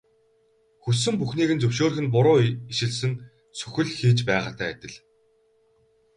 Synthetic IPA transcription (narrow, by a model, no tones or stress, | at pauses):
xusɵ̆mpuxniːɣɘ̆nt͡sɵwʃoːɾxɘ̆npʊɾʊːiʃɪ̆ɮsɘ̆n | sʰɵ̥xʲɘ̆ɮxiːt͡ɕpæːʁaːt̪ʰæːæt̪ʲɪ̆ɮ